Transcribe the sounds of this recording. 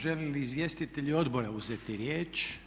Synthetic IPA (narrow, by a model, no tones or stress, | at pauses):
ʒeliliːzʋje̞st̪it̪eʎio̞d̪bo̞ɾauzet̪iɾjeːt͡ʃ